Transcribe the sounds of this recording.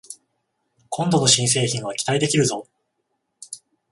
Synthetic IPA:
kʰõ̞nd̪o̞no̞ɕĩɰ̃s̬e̞ːçĩɰ̃β̞akʲi̥t̪aid̪e̞kʲiɾɯ̟zo̞

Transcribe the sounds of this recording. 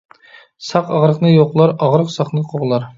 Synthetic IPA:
sɑqɑʁɾəqnɨjoqlˠɑɾɑʁɾəqsɑχnɨqʰoʁlˠɑɾ

